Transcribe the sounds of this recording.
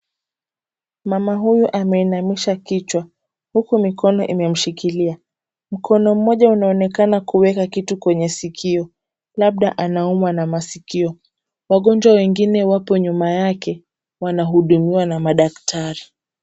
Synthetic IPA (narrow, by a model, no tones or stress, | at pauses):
mamaɦujuʔamɛinamiʃakit͡ʃwa | hukumikɔnɔʔimɛm̩ʃikilia | m̩kʰɔnɔm̩mɔʄaunaɔnɛkanakuwɛkakitukwɛɲɛsikʰiɔ | laɓ̚ɗa̰ʔanaumwanamasikiɔ | waɠɔnd͡ʒwawɛŋɡinɛwapɔɲumajakɛ | wanaɦuɗumiwanamaɗaktʰaɾi